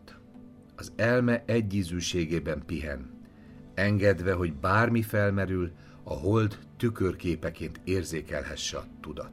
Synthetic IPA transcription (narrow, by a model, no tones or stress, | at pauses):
ɒzɛlmɛʔɛɟːiːzyːʃeːɡeːbɛmpiɦɛ̰n | ɛŋɡɛd̪ʋɛɦo̞ɟbaːrmifɛlmɛɾyl | ɒ̰ɦo̞ld̪ːykørkeːpɛkeːnt̪eːrzeːkɛlɦɛʃːɛɒt̪ud̪ɒ̰t̪